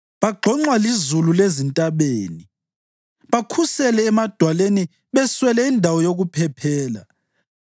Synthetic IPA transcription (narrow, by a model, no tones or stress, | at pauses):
βaɡ͡ǃʱɔŋ͡ǃwalizululezintʼaβeːni | βakʰusɛlɛːmad̥ʱwaleni | βɛswɛlɛindʱawɔjoɣupʰɛpʰɛːla̰